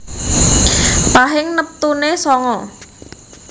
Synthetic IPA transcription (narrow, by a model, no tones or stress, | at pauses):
paɦɪŋnəp̚t̪unesɔŋɔ